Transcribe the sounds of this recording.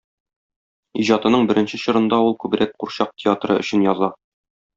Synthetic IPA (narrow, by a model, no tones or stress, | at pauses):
iʑɑt̪ɤ̆nɤɴbɘ̆ɾɘ̆nɕɘɕŏɾɤ̆nd̪ɑulˠkʉbɘ̆ɾæk̚quɾɕɑq̚tʲʰɪat̪rɤ̰ɵ̆ɕɘ̆njɒzɑ